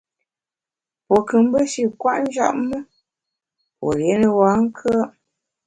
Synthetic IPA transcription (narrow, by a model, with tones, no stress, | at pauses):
po˨kɨ˨m̩˦bə˦ʃi˦˨kwa̰˦ʔn̩˦d͡ʒa̰˦˨ʔmə˦ | po̰˨lje˨˦nə˨wa˨˦ŋ̩˦kʰə˦